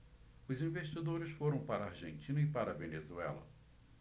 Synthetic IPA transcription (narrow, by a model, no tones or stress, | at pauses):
ʊzĩveʃt͡ʃid̪oɾɪsfoɾɐ̃w̃paɾɐaɾʒḛ̃nt͡ʃĩnɐɪpaɾɐvenezuɛ̰lɐ̰